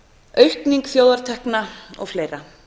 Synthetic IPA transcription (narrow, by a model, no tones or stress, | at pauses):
œɥhkniŋkθjoːwðaɾ̥t̪ʰɛhknaɔ̰ɣfleːjɾa